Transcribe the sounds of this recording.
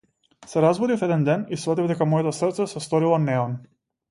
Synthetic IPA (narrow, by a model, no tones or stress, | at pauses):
sɛɾazbɔd̪ifɛd̪ɛnd̪ɛnisvɔt̪ivd̪ɛkamɔjɛt̪ɔsr̩t̪sɛsɛst̪ɔɾilˠɔnɛɔn